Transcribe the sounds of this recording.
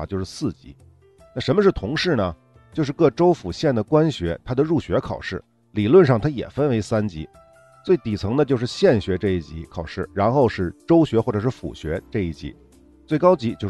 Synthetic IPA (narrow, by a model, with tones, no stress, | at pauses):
t͡ɕjo˥˧ʊʂɻ̩˥˧sɹ̩˥˩t͡ɕḭ˧˥ | na˥˩ʂə˧˥mə˧ʂɻ̩˥˩t̪ʰʊ˧˥ŋʂɻ̩˥˩nə˩ | t͡ɕjo˥˧ʊʂɻ̩˥˧kɤ˥˩ʈ͡ʂo˥ʊfu˨˩ɕjɛ˥˩nd̪ə˩kwa˥nɕɥɛ˧˥t̪ʰa˥d̪ə˨ɻu˥˩ɕɥɛ˧˥kʰɑ˨˩ʊʂɻ̩˥˩ | li˨˩lwə˥˧nʂɑ˥˩ŋt̪ʰa˥jɛ̰˨˩fə˥nwe˧˥ɪsa˥nt͡ɕḭ˧˥ | t͡swe˥˩ɪt̪i˨˩t͡sʰɤ˧˥ŋd̪ə˧t͡ɕjo˥˧ʊʂɻ̩˥˧ɕjɛ˥˩nɕɥɛ˧˥ʈ͡ʂɤ˥˧i˥˩t͡ɕi˧˥kʰɑ˨˩ʊʂɻ̩˥˩ɻa˧˥nxo˥˧ʊʂɻ̩˥˩ʈ͡ʂo˥ʊɕɥɛ˧˥xwɔ˥˩ʈ͡ʂɤ˨˩ʂɻ̩˥˩fṵ˨˩ɕɥɛ̰˧˥ʈ͡ʂɤ˥˧i˥˩t͡ɕḭ˧˥ | t͡swe˥˩ɪkɑ˥ʊt͡ɕi˧˥t͡ɕjo˥˧ʊ